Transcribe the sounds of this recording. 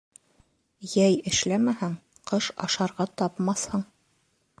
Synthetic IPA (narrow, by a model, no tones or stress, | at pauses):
jæjɘ̆ʃlæmæhæɴ | qɤʃɑ̰ʃɑɾʁɑt̪ɑpmɑθhɤɴ